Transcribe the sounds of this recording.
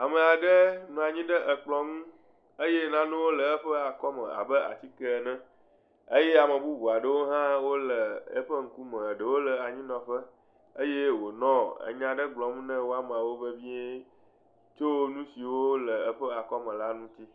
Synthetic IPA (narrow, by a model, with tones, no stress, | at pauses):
a˨mə˨a˨ɖə˦nũ˦a˨ɲĩ˦ɖə˦ʔə˨k͡plɔ̃˦ŋũ˦ | ə˦je˦nã˦nũ˦wo˦lə˨ə˦ɸə˦a˨kɔ˦mə̰̃˨a̰˨bə˦ʔa̰˨t͡ɕi˦kə˦˨nɛ̃˦ | ə˦je˦a˨mə̃˨bu˦bu˨a˨ɖə˦˨wo˦ɦã˦wo˦lə˨ə̰˦ɸə˦ŋ̩˦ku˦mə̃˨ɖə˨wo˦lə˨a˨ɲĩ˦nɔ̃˨ɸə˦ | ə˦je˦wo˨nɔ̃˦ə̰˨ɲã˨ɖə˦ɡ͡blɔ̃˨ŋũ˦nə̃˦wo˦a˦m˨a˨wo˦və˦vĩ˦ɛ˦ | t͡ʃo˦nũ˦si˨wo˦lə˨ə˦ɸə˦a˨kɔ˦mə̃˨la˦nũ˦t̪i˦